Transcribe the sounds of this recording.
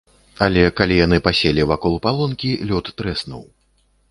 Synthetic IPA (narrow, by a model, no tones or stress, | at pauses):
alʲɛkalʲijanɨpasʲelʲivakɔlˠpalˠɔnkʲilʲɔt̪ːɾɛsnṵw